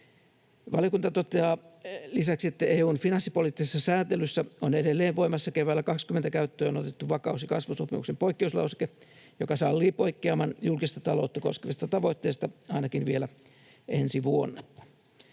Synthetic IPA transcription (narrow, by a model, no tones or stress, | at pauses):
ʋɑljokunt̪ɑt̪ot̪eɑːlisæksiet̪ːæʔeːuːnfinɑnsːipolit̪ːisesːɑsæːt̪elysːæonedelːeːʋʋoimɑsːɑkeʋæːlːækɑkskymːent̪ækæyt̪ːøːonot̪et̪ːuʋɑkɑusjɑkɑsʋusopḭmuksempoikːeuslɑ̰use̥ke | jokɑsɑlːiːpoikːeɑmɑnjulkist̪ɑt̪ɑlout̪ːɑko̰skeʋist̪ɑt̪ɑʋoit̪ːeːst̪ɑɑinɑkinʋielæ | ensiʋuonːɑ